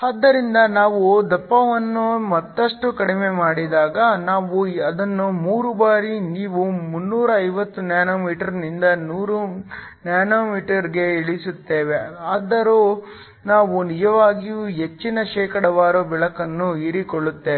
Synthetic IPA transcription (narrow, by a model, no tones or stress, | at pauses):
aːd̪ːɐɾind̪ɐnaːʋud̪ɐpːɐʋɐnːumɐt̪ːɐʂʈukɐɽimemaːɽid̪aːɡɐnaːʋuɐd̪ɐnːumuːɾubaːɾiniːʋumunːuːɾɐɐjʋɐt̪ːunjaːnoːmiːʈɐɾnind̪ɐnuːɾu | njaːnoːmiːʈɐɾiɡe̞ːɭisut̪ːe̞ːʋe̞aːd̪ɐɾo | naːʋunid͡ʒɐʋaːɡijuɦet͡ʃːinɐʃɛːkɐɽɐʋaːɾobɛɭɐkɐnːuiɾikoɭːut̪ːe̞ːe